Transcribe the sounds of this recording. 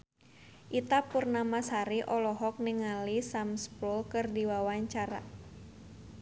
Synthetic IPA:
ʔit̪apurnamasaɾiʔɔlɔɦɔk̚niŋalisamspulkɨrdiwawaɲt͡ʃaɾa̰

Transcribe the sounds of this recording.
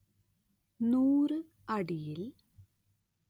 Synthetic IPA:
nuːrɨ | ɐɽijil

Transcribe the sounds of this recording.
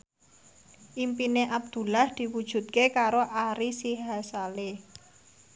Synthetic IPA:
ʔimpineʔab̚d̪̥ṳlahd̪̥i̤wud̥ʒ̥ṳt̪̚kekaɾoʔaɾisiɦasale

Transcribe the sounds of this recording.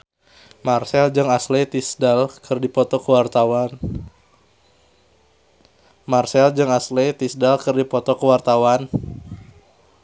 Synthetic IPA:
marsɛld͡ʒɨŋaslet̪isdalkʰɨrdipɔt̪ɔkəwart̪awan | marsɛld͡ʒɨŋaslɛt̪isdalkɨrdipɔt̪ɔkəwart̪awan

